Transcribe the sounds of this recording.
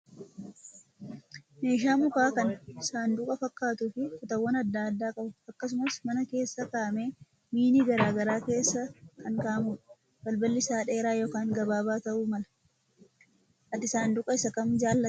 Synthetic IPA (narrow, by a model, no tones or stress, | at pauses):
me̞ːʃ̬aːmʊkaːkɐnɪsaːnd̪ʊkʼɐfɐkːaːt̪ʊfɪfʊt̪ɐwːɐnɐd̪ːaːd̪ːaːkʼɐbʊɐkːɐs̬ʊmɐsmɐnɐke̞ːsːɐkaːmeː | miːniːɡɐɾaːɡɐɾaːke̞ːsːɐkɐŋkaːmʊ | bɐlbɐlːɪsaːᶑe̞ːɾaːjoːkaːŋɡɐbaːbaːt̪ɐʔuːmɐlɐ̥ | ʔɐt̪ɪsaːnd̪ʊkʼɐɪsɐkɐmd͡ʒaːlːɐ